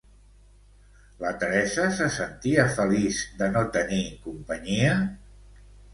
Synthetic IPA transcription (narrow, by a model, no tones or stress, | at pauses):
lət̪əɾɛsəsəsənt̪iəfəlizd̪ənot̪ənikumpəɲiə